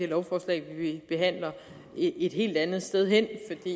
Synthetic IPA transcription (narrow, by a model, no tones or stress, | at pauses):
eɐlɒʊfɒːslɛ̰ɪʋiib̥e̝ɦæn̰lɐ | ee̝d̥ɦe̝̰ːld̥ænð̞̩ˠsd̥eð̞ˠɦen̰fɒ̽d̥ḭ